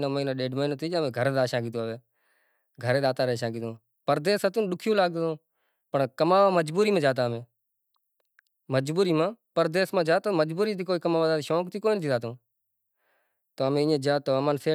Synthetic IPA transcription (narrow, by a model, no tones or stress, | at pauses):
noːmiːnaːɗeːɖmɦiːnot̪ʰiːd͡ʒːmẽːɡʱəɾeːd̪aːʃãːɡiːt̪õːʋeː | ɡʱəɾeːd̪aːt̪aːɾeːʃãːɡiːt̪õː | pəɾd̪eːsət̪ũːɗʊkʰjõːlaːɡõː | pəɳkəmaːʋaːməd͡ʒbuːɾiːmãːd͡ʒaːt̪̬aːmẽː | məd͡ʒbuːɾiːmãːpəɾd̪eːsmãːd͡ʒaːt̪aːməd͡ʒbuːɾiːt̪ʰiːkoːiːkəmaːʋaːd̪aːt̪ːʃoːkt̪ʰiːkoːinət̪ʰiːd̪aːt̪õː | t̪oːmẽːɪːẽːd͡ʒaːt̪oːəmaːnseː